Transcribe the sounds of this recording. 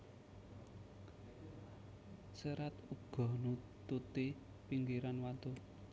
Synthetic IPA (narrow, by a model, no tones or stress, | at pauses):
səɾat̪uɡ̥ɔ̤nu | t̪ut̪i | piŋɡiɾanwant̪u